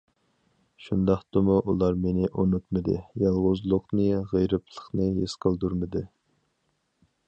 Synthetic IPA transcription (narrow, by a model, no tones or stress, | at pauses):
ʃund̪ɑχt̪ɨmuʔulˠɑɾmenɪʔunut̪mɨd̪ɨjɑlˠʁʊzlˠʊqnɨʁejɾɨplˠə̥χnɨɦesqʰəlˠd̪uɾmɨd̪ɨ